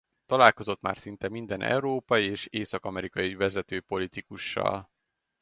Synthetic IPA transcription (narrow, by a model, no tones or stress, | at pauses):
t̪ɒlaːlko̞zo̞t̪ma̰ːrsin̪t̪ɛmind̪ɛnʔɛ̰uɾoːpɒjieːʃeːsɒkɒmɛɾikɒjivɛzɛt̪øːpo̞lit̪ikuʃːɒ̰l